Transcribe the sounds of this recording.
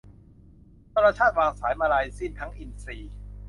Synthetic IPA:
t̪ʰaː˧ɾaː˧t͡ɕʰaː˥˩t̪̚waː˧ŋsaː˩˦jmaː˧ɾaː˧jsi˥˩nt̪ʰa˦˥ŋʔi˧nsiː˧˩

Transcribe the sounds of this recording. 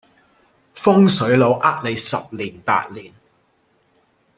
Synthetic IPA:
fʊ˥ŋsɵ˨˥ɥlo˨˧wʔaː˥k̚le˨˧jsɐ̰˨p̚liː˨˩npa̰ː˧t̚liː˨˩n

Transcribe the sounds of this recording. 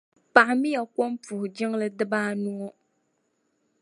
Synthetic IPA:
pa˨ʔmi˦ja˨ko˦mpu˨ʊ˨d͡ʒɪ˦ŋlɨ˦dɨ˦baː˦nu˦ɔ˦

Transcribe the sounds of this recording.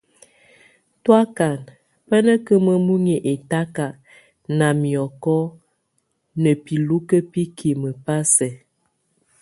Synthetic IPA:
twa˦ka˨n | pə˦nə˦kə˦mə˦mu˦ŋi˨ʔe˨ta˦ka˨ | na˨mi˨ɔ˨kɔ˦ | nə˨pi˨lu˦kə˦pi˦kʰi˨mə˨pa˦sɛ˨

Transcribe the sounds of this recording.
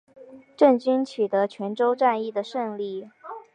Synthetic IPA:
ʈ͡ʂə˥˩ŋt͡ɕy˥nt͡ɕʰy˨˩t̪ɤ˧˥t͡ɕʰɥɛ˧˥nʈ͡ʂo˥ʊʈ͡ʂa˥˧ni˥˩d̪ə˩ʂə˥˧ŋli˥˩

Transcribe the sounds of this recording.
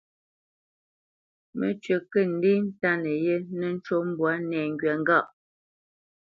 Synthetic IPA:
mə̰˨t͡ʃɥə˨kə˦˨n̩˦di˦n̩˦ta˦nə˨je˦nə˦n̩˦t͡ʃo˦m̩˦bwa˦nɛː˨ŋ̩ɡɥɛ˨ŋ̩˦ɡa˦˨ʔ

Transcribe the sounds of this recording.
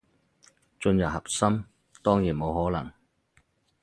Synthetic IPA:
t͡ʃɵ˧njɐ˨p̚hɐ˨p̚sɐ˥m | t̪ɔː˥ŋjiː˨˩nmo˨˧wɦɔː˨˥lɐ˨˩ŋ

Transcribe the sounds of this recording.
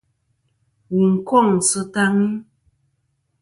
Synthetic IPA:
wi˨ŋ̩˨kɔ˦˨ŋ̩˨sɨ˦ta˦ŋi˦

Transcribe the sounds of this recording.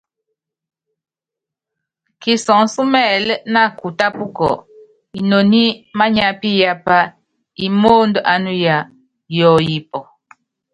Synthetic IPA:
ki˨sɔ˨ŋsu˦mɛ˦˨lna˦˨ku˨ta˦pu˦kɔ̰˨ | i˨no˨ni˦ma˦ɲa˦pi˦ja˦pa˦ | i˨moː˦ndɔ˨ʔa˨nu˦ja˨ | jɔ˦˨ji˦pɔ˨

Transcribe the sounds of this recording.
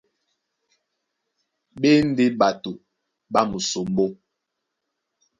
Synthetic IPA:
ɓe˦n̩˦de˦ɓa˨tu˨ | ɓa˦mu˨so˨m˦bo˦

